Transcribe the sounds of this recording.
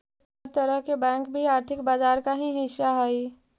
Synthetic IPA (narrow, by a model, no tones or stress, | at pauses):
ɾt̪əɾəɦkebɛ̃ːŋkbʱiaːɾt̪ʰɪkbaːd͡ʒaːɾkaɦĩɦɪʃːaɦɛi